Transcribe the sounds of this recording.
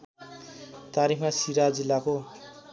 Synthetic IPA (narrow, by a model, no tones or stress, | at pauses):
t̪aɾikʰmasiɾad͡zilːako